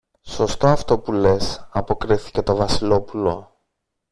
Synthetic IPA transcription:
so̞st̪o̞ɐft̪o̞pule̞sɐpo̞kɾiθi̥ce̞t̪o̞vɐsilo̞pulo̞̰

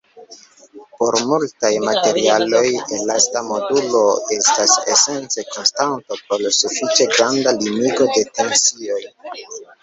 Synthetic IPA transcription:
po̞ɾmultajmate̞ɾialo̞jenlastamo̞dulo̞e̞stase̞̰se̞nt͡se̞ko̞nstanto̞pɾolsufit͡ʃe̞ɡɾandaliniɡo̞de̞te̞nsio̞j

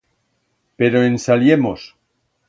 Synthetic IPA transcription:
pe̞ɾo̞ensaljemo̞s

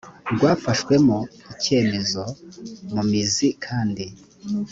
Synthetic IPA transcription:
ɾɡwaːfaʃkwe̞moice̞ːme̞zo̞mumizikʰaːndi

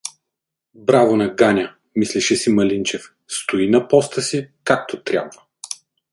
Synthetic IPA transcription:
bɾavonɐɡanʲɐ | misliʃɛsimɐlint͡ʃɛf | st̪oinɐpɔst̪əsikak̚t̪ot̪ɾʲa̰bvə

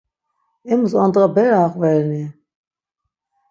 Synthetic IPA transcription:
ɛmusɑnt̪ʼʁabɛɾaaχʼvɛɾni

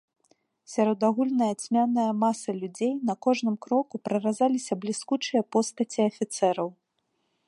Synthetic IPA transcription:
sʲaɾɔd̪aɣulʲnɐjɐt͡sʲmʲanɐjɐmasɐlʲud͡zʲejnɐkɔʐnɨmkɾɔkupɾɐrazalʲisʲɐblʲiskut͡ʂɨjɐpɔst̪ɐt͡sʲiɐfʲit̪sɛɾɐw

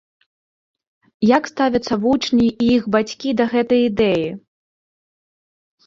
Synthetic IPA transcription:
jakst̪avʲɐt̪sːɐvut͡ʂnʲiʔiixbat͡sʲkʲid̪ɐɣɛt̪ɐjid̪ɛji

